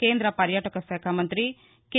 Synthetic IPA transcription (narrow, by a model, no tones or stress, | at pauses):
keːnd̪ɾɐpɐɾjaːʈɐkɐseːkʰamɐnt̪ɾi | ke